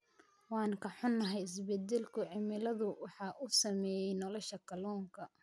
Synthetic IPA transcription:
wɑːŋkʰɐħʊnːɐɦɛjɪs̬bɛd̪ɛlkʰʊʕɪmɪlɐðʊwɑħɑːʔusɐmɛːjɛjnɔlɔʃɐkʰɐlɔːŋkʰɐ

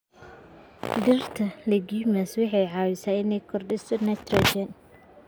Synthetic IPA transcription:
dɪrt̪ʰɐlɐɡimɐswʊħɑjʕɑːwɪsaːɪnɛjkʰɔrɖɪsɔnɛt̪rɔd͡ʒɛn

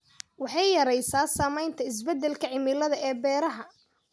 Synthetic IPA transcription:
wɑħɑjjɐɾɛjsaːsaːmɛjnt̪ʰɐɪs̬bɛd̪ːɛlkʰɐʕɪmɪlɐðɐʔɛːbɛːɾɐɦɐ

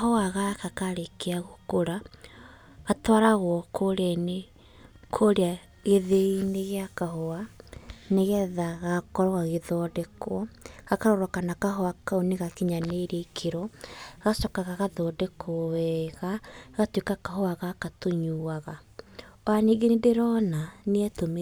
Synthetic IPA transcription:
ahoaɣakakaɾekeaɣokoɾa | ɣatwaɾaɣwɔkʰoɾɛne | kʰoɾea | ɣeðeineɣeakaɦoaneɣɛðaɣakɔɾɔɣaɣeðɔdekʰwɔɣakaɾoɾwakanakaɦoakaoneɣakiɲaneɾekʰeɾɔɣasɔkaɣaɣaðɔːdekʰoɔwɛɣaɣatwekakaɦoaɣakatoɲuːwaɣaɔaniɡenendeɾɔnaneɛtome

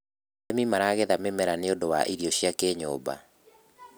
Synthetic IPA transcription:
ɛmimaɾaɣeðamemɛɾaneodowa̰ʔiɾiɔɕiakeɲɔ̰ːba̰

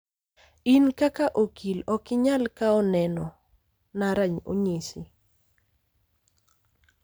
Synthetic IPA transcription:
inkakaʔokʰilɔkɪɲalkaɔnɛnɔ | naɾaɲo̰ɲisi

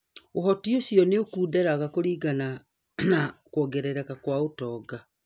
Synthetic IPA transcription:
ohɔtiosiɔneokuːdɛɾaɣakoɾiːɡana | nakwɔɡɛɾɛɾɛkakwaotɔːɡa

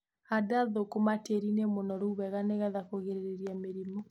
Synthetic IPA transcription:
adaðokomateɾinemonɔɾuuβɛɣaneɣaðakoɣeɾeɾeɾiameɾimɔ

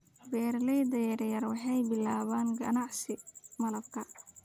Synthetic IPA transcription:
bɛːrlɛjd̪ɐjɐrjɐrwɑħɑjbɪlaːβaːnɡɐ̰nɑʕsɪmɐlɐb̚kʰɐ

